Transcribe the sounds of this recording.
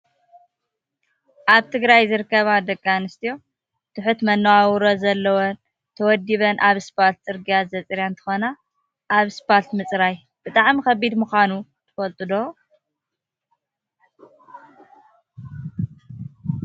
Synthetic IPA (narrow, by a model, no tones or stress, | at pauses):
ʔaβt̪ʰɨɡɾajzɨɾɨkːɐβad̪ɐkʼːanɨst̪ʰijo̞ | t̪ʰɨħut̪mɐnːɐwawɾozɐlːɐwo | t̪ʰɐwɔd̪iβɐnʔaβspalt̪̚t͡sʼɨɾɡijazɐt͡sʼɾjant̪ʰɨ̥xona | ʔːβspalt̪mɨt͡sʼɾaj | b̥ɨt̪ʼaʕmikɐbid̪muxʷanu | t̪ʰɨ̥fɐlt̪ʼud̪o